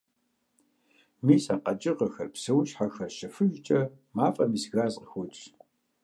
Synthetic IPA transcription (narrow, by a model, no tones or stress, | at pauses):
miːsaqɐt͡ʃʼɪʁɐxɐrpsɨwʃħaxɐrʃɐfɨʒt͡ʃʼɐ | maːfʼɐmisɣaːzʼxʷʊt͡ʃʼ